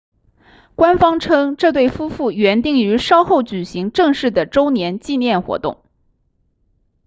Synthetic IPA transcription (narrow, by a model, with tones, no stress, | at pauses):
kwa˥nfɑ˥ŋʈ͡ʂʰɤ˥ŋʈ͡ʂɤ˥˧t̪̬we˥˩ɪfu˥fu˥˩ɥɛ˧˥nt̪i˥˩ŋy˧˥ʂɑ˥ʊxo˥˩ʊt͡ɕy˨˩ɕi˧˥ŋʈ͡ʂɤ˥˧ŋʂɻ̩˥˩d̪ə˩ʈ͡ʂo˥ʊnjɛ˧˥nt͡ɕi˥˧njɛ˥˩nxwɔ̰˧˥t̪ʊ̰˥˩ŋ